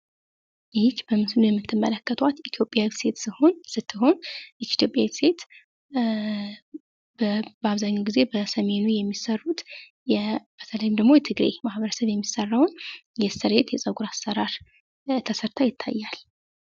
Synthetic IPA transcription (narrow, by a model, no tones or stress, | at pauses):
ɪkb̥əmɨsɨnujɛmːɨt̪ʰːɨmːə̰ləkːət̪ʰwat̪it̪ʰjo̞pʼjawse̞t̪sɨho̞nsɨt̪ʰːɨɦo̞nt̪ʰjo̞pʼjaw̪se̞t̪ | bəbəaβzaɲːawɡize̞bəsəme̞nujɛmːisərːut̪ | jɛb̥ət̪ʰələjumd̪əɡmo̞jɛt̪ʰɨɡɾḛmahβəɾəsəβjɛmːisːərːawnjɛsɨɾet̪jɛsʼəɡuɾasːəɾaɾ | t̪ʰəsəɾt̪ʰajɪt̪ʰːa̰jːal